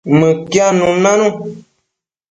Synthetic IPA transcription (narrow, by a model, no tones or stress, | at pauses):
mɨ̃kjanũnãnũ